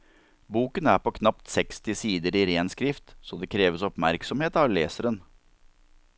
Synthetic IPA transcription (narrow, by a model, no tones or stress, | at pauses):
buːkənæɾpʰɔkʰnɑp̚t̪sɛkst̪ɪsiːd̪əɾɪɾeːnskɾɪft̪sɔd̪ɛkʰɾeːʋəsɔpmæɾksɔmheːt̪ɑʋleːsəɾən